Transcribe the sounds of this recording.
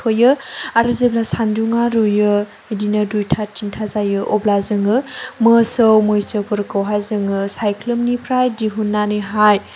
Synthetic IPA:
ojɯaɾɯzeblasanduŋaɾujɯ | edinɯdujtʰatintʰazajɯʔɔblazɯŋɯmɯsəwmojsɯpʰɯɾkawɦajzɯŋɯsajkʰlɯmnipʰɾajdiɦunːaniɦaj

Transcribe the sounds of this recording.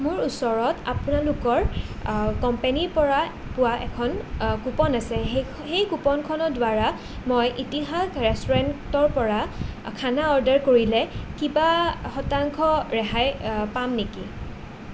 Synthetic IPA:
mʊɹusɔɹɔta̰pʊnalʊkɔɹ | kɔmpeniɹpɔɹa | pʊwaʔɛ̰kʰɔnkupɔnasɛɦ | xejkupɔnkʰɔnɔdwaɹa | mojʔitiɦakɹɛstɔɹɛntɔɹpɔɹakʰanaɔɹdaɹkoɹilɛkibaxɔtaŋkʰɔɹɛɦajpamneki

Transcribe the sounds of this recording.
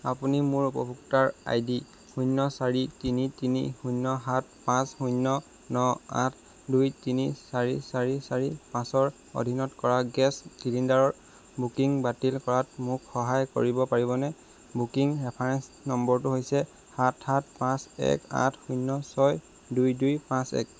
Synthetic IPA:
a̰punimʊɹupɔ̰bʱuktaɹa̰jdi | hujnːɔsaɹitinitinḭhunːɔɦat̚ʰpãsxujnːɔ | nɔa̰tʰ | dujtinisaɹḭsaɹisaɹipãsɔɹ | o̰dʱinɔtkɔɹaɡɛsɡilindaɹɔɹ | bukiŋbatilkɔɹat̚mʊkxɔɦajko̰ɹibɔpaɹiβɔnɛ | bukiŋɹɛpʰaɹɛnsnɔmbɔɹtʊɦojsɛ | hatʰhat̚ʰpãsɛ̰ka̰tʰhujnːɔsɔj | dujdujpãsɛ̰k̚

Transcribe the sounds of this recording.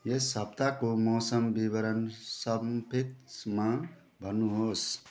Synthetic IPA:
jesəb̚t̪akomɔːsəmbiβəɾənsʌbpʰit̪mã | bʱənuɦos

